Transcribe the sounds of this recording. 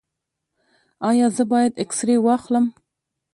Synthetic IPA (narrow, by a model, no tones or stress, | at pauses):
ɑːjɑːzəbɑːjad̪eksɾewɑxləm